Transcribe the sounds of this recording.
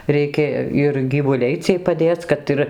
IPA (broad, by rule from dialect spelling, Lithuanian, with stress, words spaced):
rʲɛɪˈkʲeː ɪr ɡʲiːʋʊˈlʲɛɪ ˈt͡sʲiɛj pɐˈdʲeːt͡s ˈkɐt ɪr